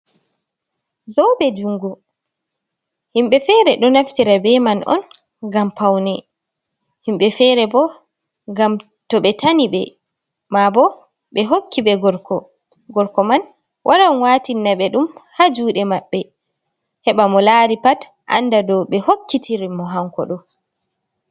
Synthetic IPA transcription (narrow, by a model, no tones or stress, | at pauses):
zɔwbɛd͡ʒuŋɡɔ | himɓɛfɛɾɛɗɔnaftiɾabɛmanʔɔ̰n | ɡampawnɛ | himɓɛfɛɾɛbɔ | ɡam | tɔɓɛtaniɓɛ | mabɔ | ɓɛɦokːiɓɛɡɔɾkɔ | ɡɔɾkɔman | wʔaɾaɔnwaːtinːaɓɛɗumhad͡ʒuːɗɛmaɓːɛ | hɛɓamɔlaɾipat | ʔa̰ndadɔɓɛhokːitiɾimɔɦaŋkɔ̰ɗɔ